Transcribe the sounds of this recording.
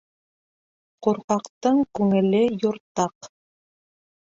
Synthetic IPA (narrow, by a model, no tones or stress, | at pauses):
quɾqɑqt̪ɤɴkʉŋɘ̆lɘjŏɾt̪ɑq